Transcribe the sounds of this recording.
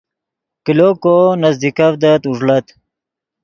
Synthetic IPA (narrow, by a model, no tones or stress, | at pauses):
kilokonɐzd̪ikɐvd̪ɐt̪uʐlɐt̪